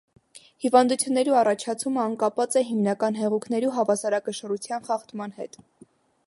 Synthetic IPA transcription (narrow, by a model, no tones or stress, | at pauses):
hivɑnd̪ut͡sʰjunːɛɾiɑrɑt͡ʃʰɑt͡sʰuməɑnkɑpvɑt͡sɛɦimnɑkɑn̪ɦɛʁukʰnɛɾiɦɑvɑsɑɾɑkəʃərut͡sʰjɑnχɑχt̪mɑnhɛ̰t̪